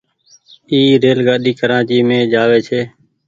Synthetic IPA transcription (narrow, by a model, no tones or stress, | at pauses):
iːɾeːlɡaːɗiːkəɾãːt͡ʃiːmẽːd͡ʒaːʋeːt͡ʃʰeː